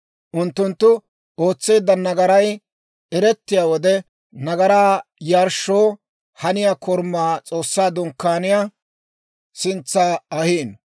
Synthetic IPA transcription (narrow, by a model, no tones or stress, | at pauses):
ʔʊnt̪ːʊnt̪ːʊ | oːt͡sːeːd̪ːɐnɐɡɐɾɐj | ɛɾɛt̪ːɪjaːwɔd̪ɛ | nɐɡɐɾaːjaːɾʃːoː | hɐnɪjakʰɔɾmːaːt͡sʼo̞ːsːaːd̪ʊŋkːaːnɪjaː | sɪnt͡sːaɐhiːn